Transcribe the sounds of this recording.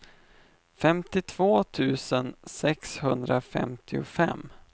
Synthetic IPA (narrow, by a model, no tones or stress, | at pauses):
fɛmt̪ɪt̪ʰv̥oːt̪ʰʉ̟ːsənsɛkshɵnd̪ɾafɛ̰mt̪ʰɪʊfɛ̰mː